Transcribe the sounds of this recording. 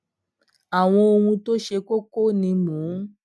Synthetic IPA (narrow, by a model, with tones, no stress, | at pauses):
a˨w̃ɔ̃˧o˧wũ˧to˦ʃe˧ko˦ko˦˨nĩ˧mũː˨˦